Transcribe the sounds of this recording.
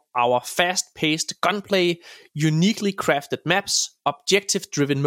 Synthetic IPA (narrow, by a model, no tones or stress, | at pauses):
ʔaʊəfæst̚pʰeɪstɡ̥ɒ̃npʰleɪjuniːkʰlikʰɹ̥æftəd̥̚mæb̥sɒb̥̚d͡ʒɛk̚tʰɪvd̥ɹɪʋə̃nm